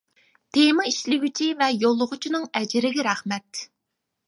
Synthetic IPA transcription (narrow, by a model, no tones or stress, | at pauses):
t̪ʰemɑiʃlɪɡʲyt͡ʃʰivɛjolˠːʊʁʊt͡ʃʰinɨŋɛd͡ʒɪɾɪɡʲɛɾɛχmɛt̪